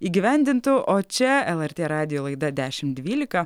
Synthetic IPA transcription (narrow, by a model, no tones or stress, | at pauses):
iːɡʲɪʋʲɛnʲd̪ʲɪnt̪ʊʔoːt͡ʃʲɛɛlˠɛɾʲt̪ʲeːɾɑːd̪ʲɪjoːlˠɐɪd̪ɐd̪ʲæːʃʲɪmd̪ʲʋʲiːlʲɪkɐ